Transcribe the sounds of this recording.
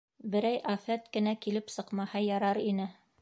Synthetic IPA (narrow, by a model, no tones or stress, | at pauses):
bɘ̆ɾæjʔæfæt̪kɘ̆nækilɘpsɤ̆qmɑhɑjɑɾɑɾinɘ